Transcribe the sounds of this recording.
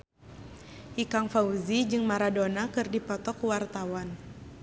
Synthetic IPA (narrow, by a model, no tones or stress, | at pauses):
ikaŋfauzid͡ʒɨŋmaɾadonakɨrdipɔt̪ɔkuwart̪awan